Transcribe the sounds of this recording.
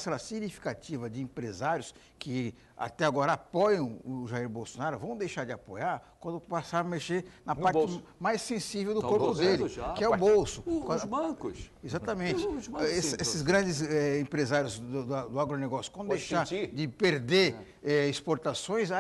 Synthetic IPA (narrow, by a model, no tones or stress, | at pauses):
sɛlɐsiɡnifi̥kat͡ʃivɐd͡ʒɪẽmpɾezaɾjʊs | kɪ | a̰t̪ɛaɡɔɾɐapɔjɐ̃w̃ʊʒaiɾbowsonaɾʊvɐ̃w̃d̪ejʃaɾd͡ʒɪapojaɾkwɐ̃nd̪ʊpasaɾmeʃenɐpaɾt͡ʃɪmajsːẽsivewd̪ʊkoɾpʊd̪elɪkɪɛʊbowsʊkɐ̃bɐ̃kʊsizat̪ɐmẽnt͡ʃɪesesɪzɡɾɐ̃d͡ʒɪzɛẽpɾezaɾjʊzd̪ʊd̪ɐd̪ʊaɡɾoneɡɔsjʊ̥kɐ̃d̪ʊd̪ejʃaɾd͡ʒɪpeɾd̪eɾ | ɛispoɾt̪asõj̃za